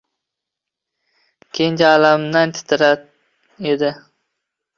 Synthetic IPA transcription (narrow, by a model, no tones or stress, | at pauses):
kʲʰejnd͡ʒaːlamnant̪ʰɪ̥t̪ʰɪɾa | ed̪ɪ